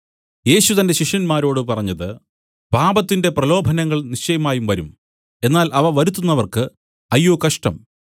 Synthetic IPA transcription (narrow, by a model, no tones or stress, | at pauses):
je̞ːɕut̪ɐnde̞ɕiʂjɐnmaːɾo̞ːɽɨpɐrɐɲːɐðɨ | b̥ʱaːbɐt̪ːinde̞prɐlo̞ːbʱɐnɐŋːɐɭnit͡ɕːɐjɐmaːjumʋɐɾum | e̞nːaːlɐʋɐʋɐɾut̪ːunːɐʋɐrkɨ | ɐjːoːkɐʂʈɐ̰m